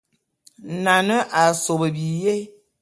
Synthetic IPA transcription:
na˨nə˦ʔa˨so˨bə˨bi˨je˦

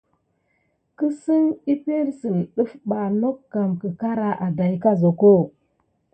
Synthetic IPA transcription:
kə˦si˦ni˦pe˦ɾsi˨nɗu˦fɓa˨no˦kːa˨mkə˨ka˦ɾa˦ʔa˨da˨ji˦ka˦zo˨ko˦˨

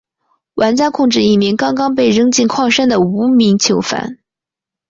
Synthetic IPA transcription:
wʔa˧˥nt͡ɕja˥kʰʊ˥˧ŋʈ͡ʂɻ̩˥˧i˥˩mi˧˥ŋkɑ˥ŋkɑ˥ŋp̬e˥˩ɪɻə˥ŋt͡ɕi˥˧nkʰwɑ˥˩ŋʂa˥nd̪ə˨˩u˧˥mi˧˥ŋt͡ɕʰjo˧˥ʊfa̰˧˥n

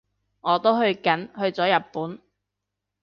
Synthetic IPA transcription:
ŋɔː˨˧t̪o˥wɦɵ˧ɥkɐ˨˥nhɵ˧ɥt͡sɔː˨˥jɐ˨t̚pːuː˨˥n

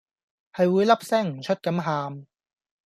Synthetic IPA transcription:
hɐ˨jwuː˨˧jlɐ˥p̚sɛː˥ŋm̩˨˩t͡ʃʰɵ˥t̚kɐ˨˥mɦaː˧m

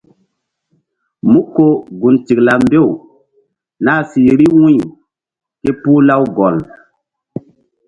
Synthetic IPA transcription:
mu˦ko˨ɡu˨nti˨kla˨mbe˦˨w | naː˦si˨ɾi˦wũ˦˨ | ke˦pu˦la˦wɡɔ˨l

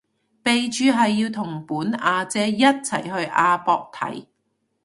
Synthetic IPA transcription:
pe˨jt͡ʃyː˨˧ɦɐ˨jːiː˧wt̪ʰʊ˨˩ŋpuː˨˥naː˧t͡sɛː˥jɐ˥t̚t͡sʰɐ̰˨˩jɦɵ˧ɥʔaː˧pɔː˧k̚t̪ʰɐ̰˨˥j

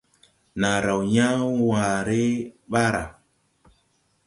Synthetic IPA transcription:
na˨ɾa˨wɲã˦wãː˨ɾe˦ɓa˦ɾa˨

